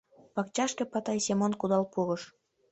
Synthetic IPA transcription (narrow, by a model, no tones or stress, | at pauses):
pɑkt͡ɕɑʃkĕpɑt̪ɑjsemonkud̪ɑlpuɣɤʃ